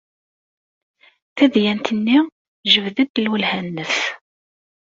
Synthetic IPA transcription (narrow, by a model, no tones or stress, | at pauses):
θæðjænt̪ənːi | ʒəvðəd̪əlwəlhænːəs